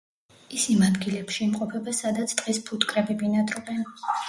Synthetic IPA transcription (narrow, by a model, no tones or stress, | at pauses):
isimad̪ɡilɛpʃiːmqʼɔpʰɛbasad̪at̪sʰt̪ʼqʼispʰut̪ʼkʼɾɛbibinad̪ʼɾɔbɛn